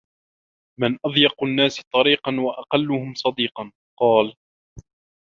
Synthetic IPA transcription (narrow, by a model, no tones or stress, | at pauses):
mɪnʔɑðˤjɑqnːaːst̪ˤɑɾiːqɑnwaʔɑqɑlːʊɦhʊmsˤɑd̪iːqɑn | qɑːl